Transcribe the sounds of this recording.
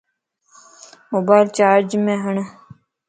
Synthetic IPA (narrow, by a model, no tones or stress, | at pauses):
moːbaːɪlt͡ʃaːɾd͡ʒmẽːɦəɳ